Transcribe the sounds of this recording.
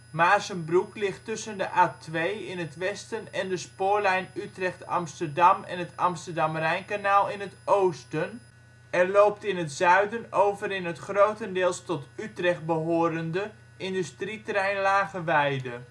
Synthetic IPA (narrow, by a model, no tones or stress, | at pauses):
maːɹzənbruklɪχtɵsəndəʔaːtʰʋejɪnətʋɛstənɛndəspoːɹlɛjnytrɛχtɑ̰mstədɑmɛ̰nətɑ̰mstəɹdɑmrɛjnkanaːlˠɪnətowstən | ɛrlowp̚tɪnətz̥œɥdənowvəɾɪnɦətχrowtəndɪːlˠstɔtytrɛχt̚bəɦoːɾəndə | ʔɪndystritrɛjnlaːχəʋɛjdə